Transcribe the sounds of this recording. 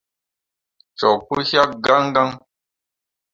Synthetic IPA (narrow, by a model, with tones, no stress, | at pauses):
t͡ʃɔ˨kːu˦ʃja˦k̚ɡa˦ŋ˦ɡa˦ŋ